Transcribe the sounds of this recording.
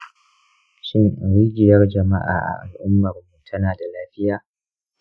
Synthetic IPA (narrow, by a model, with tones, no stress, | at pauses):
ʃɪ˦ŋɽiː˦ɡʲɪ˨jɐ˦rd͡ʒɐ˨ma˦ʔa̰ː˨ʔa̰˨ʔa̰˨lʔʊ˦mːɐ˨rmuː˦tʰɐ˦naː˨da˨laː˦ɸɪ˦jaː˨